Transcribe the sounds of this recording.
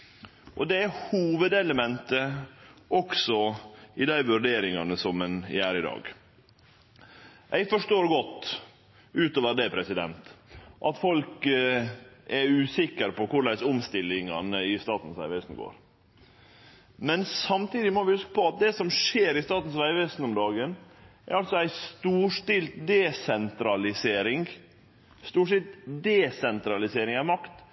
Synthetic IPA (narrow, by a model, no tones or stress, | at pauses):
ʔɔ̰d̪ɛæhuːʋəd̪ɛləmɛnt̪əʔɔksɔɪd̪æɪʋʉɾɖeːɾɪŋɑnəsɔmːɛnɪ̰æːɾɪd̪ɑ̰ːɡ | ʔæɪfɔʂʈoːɾɡɔt̪ː | ʉːt̪oːʋəd̪eːpʰɾɛsɪd̪ɛ̰nt̪ʔɑt̪fɔlk | ʔɛɾʉːsɪkəɾpʰɔkʊɭæɪsʊmst̪ɪlːɪŋɑ̰nəɪst̪ɑːt̪n̩sʋæ̰ɪʋæsn̩ɡo̰ːɾ | mɛnsɑmt̪iːd̪ɪmɔʋɪhʉskə̥pʰɔɑt̪̚d̪ɛsɔmʂeːɾɪst̪ɑːt̪n̩sʋæɪʋɛsn̩ɔmd̪ɑːɡənʔæ̰ɾɑlsɔæɪst̪uːʂʈɪlt̪d̪ɛsɛnt̪ɾɑlɪseːɾɪŋ | st̪uːʂɪt̪d̪ɛsɛnt̪ɾɑlɪseːɾɪŋɑmɑkt̪